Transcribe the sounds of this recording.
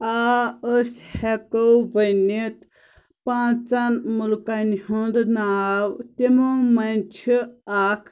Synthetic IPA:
aəshɛkowbənit̪ | pãːt͡sɐnmulkanhõnd̪naːwt̪emomɐnʲt͡ʃʰiakʰ

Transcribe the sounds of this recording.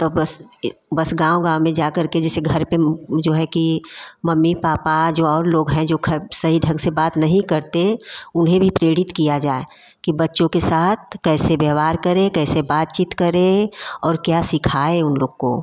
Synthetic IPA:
t̪obɐsbɐsɡãːõɡãːmẽd͡ʒaːkɐɾked͡ʒɛːseɡʱɐɾped͡ʒoːɦɛkimɐmːipaːpad͡ʒoːɔːɾloːɡɦɛ̃d͡ʒoːkʰsɐɦiɖʱɐ̃ɡsebaːt̪nɐɦĩkɐɾt̪eʊnɦẽbʱipɾeːɽɪt̪kijad͡ʒaːe | kibɐtːʃõkesaːt̪̚ʰkɛːsebɛɦwaːɾkɐɾẽkɛːsebaːt̪̚t͡ʃiːt̪kɐɾẽɔːɾkjasɪkʰaːeʊnloːɡko̰ː

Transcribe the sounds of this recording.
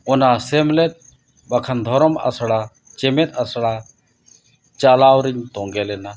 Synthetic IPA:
ɔnasɛmlɛt̪̚ | bakʰand̪ʱɔɾɔma̰sɽa | t͡ʃɛmɛt̪asɽa | t͡ʃalawɾiɲt̪ɔ̃ŋɡɛlɛna

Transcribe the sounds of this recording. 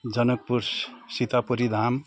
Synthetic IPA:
d͡zʌnʌk̚puɾssit̪apuɾid̪ʱam

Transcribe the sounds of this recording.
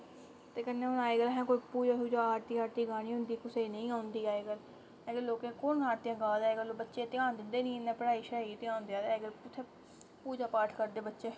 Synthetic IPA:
t̪eːkənːẽːʊnaːeːɡəlɦɛ̃ːkoipuːd͡ʒaːsuːd͡ʒaːaːɾt̪iːaːɾt̪iːɡaːniːɦʊnd̪iːkʊseːnəĩːãːʊnd̪iːaːeːɡəl | ɛːɡəɾloːkẽːkonaːɾt̪ijãːɡãːd̪aːeːɡəloːbətːʃeːt̪ɪãːnd̪ɪnd̪eːnĩːnɛ̃ːpəɽaːiːʃəɾaːit̪ɪãːnd̪ɪjãːt̪ɛːɡəlʊt̪ʰːe | puːd͡ʒaːpaːʈʰkəɾd̪eːbətːʃeː

